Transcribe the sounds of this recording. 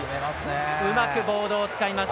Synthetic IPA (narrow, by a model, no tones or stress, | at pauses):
ɯ̟makɯ̟bo̞ːd̪o̞ːt͡sɨ̥kaimaɕ